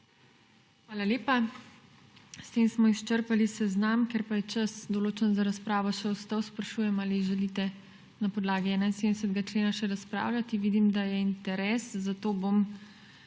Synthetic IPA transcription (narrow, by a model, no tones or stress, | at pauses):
xʋaːlaleːpa | st̪eːmsmɔist͡ʃəɾpalisɛznamkɛɾpajɛt͡ʃəsd̪ɔloːt͡ʃɛnzaɾaspɾaːʋɔʃɛɔst̪awspɾɐʃuːjɛmaːliʒɛliːt̪ɛ | napɔd̪laːɡiɛːnainsed̪nɛsəd̪ɡat͡ʃleːnaʃɛɾaspɾa̰ːwlʲjat̪iʋiːd̪imd̪ajɛint̪ɛɾɛːszat̪oːbom